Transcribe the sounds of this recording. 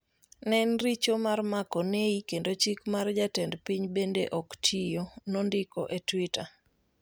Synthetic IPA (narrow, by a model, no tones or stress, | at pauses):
nɛnrit͡ʃomarmakoneikendot͡ʃikmard͡ʒatɛndpiɲbendeʔɔktʰijonondɪko̰ʔetwita